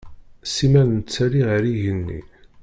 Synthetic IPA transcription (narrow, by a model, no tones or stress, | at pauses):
simæðnət͡sːæɾiʁɾiʝənːḭ